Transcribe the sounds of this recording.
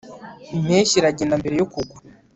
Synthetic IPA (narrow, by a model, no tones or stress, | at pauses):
imeːɕiɾaɟenambe̞ɾejokuɡwa